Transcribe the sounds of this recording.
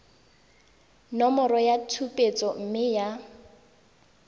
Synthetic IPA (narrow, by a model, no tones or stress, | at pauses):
nɔmɔrɔjatʰupʼet͡sʼɔm̩mɪja